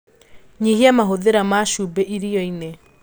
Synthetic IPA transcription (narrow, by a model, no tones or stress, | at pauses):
ɲiɦiamaɦoðeɾamaʃuːbeʔiɾiɔine